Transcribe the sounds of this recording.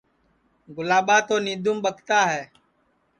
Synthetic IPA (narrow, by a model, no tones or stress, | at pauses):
ɡʊlaːɓaːt̪oːniːd̪ʱʊmɓəkʰt̪aːɦɛː